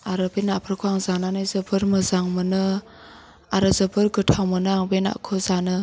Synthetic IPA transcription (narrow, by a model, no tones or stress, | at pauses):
aɾɯbenapʰaɾkʰuaŋzananɯjzɯbʰɯɾmɯzaŋmɯnɯ | aɾɯzɯbɯɾɡɯtʰawmɯnɯaŋbena̰kʰɯzanɯ